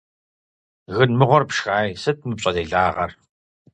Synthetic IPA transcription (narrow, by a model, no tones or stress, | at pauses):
ɣɨnmɨʁʷɔrpʂxaːjsɨt̚ʰmɨp̚ɕʼɐdeːɮaːʁɐ̰r